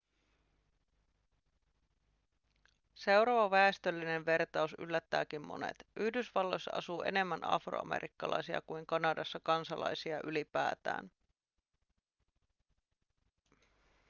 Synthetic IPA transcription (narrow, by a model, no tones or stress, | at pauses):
se̞wɾɑʋɑʋæest̪ølːine̞ʋʋe̞rt̪ɑusy̰lːæt̪ːæːkimmo̞̰nḛt̪ʔyhdysʋɑlːo̞jsːɑʔɑsuːʔe̞̰ne̞mːænʔɑ̰fro̰ɑ̰mḛɾʔikːɑlɑ̰jsiɑ̰kuiŋkɑnɑdɑsːɑkɑnsɑlɑ̰jsiɑʔylipæ̰ːt̪æ̰ːn